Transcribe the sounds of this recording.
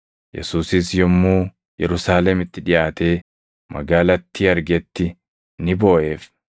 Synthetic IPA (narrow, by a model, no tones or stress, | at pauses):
jɛ̰suːsɪsjɔmːuː | jɛɾʊsaːlɛmɪt̪ːɪᶑɪʔaːt̪e̞ː | mʔɐ̰ɡaːlɐt̪ːɪɐɾɡɛt̪ːɪ | nɪbo̞ːʔe̞ːf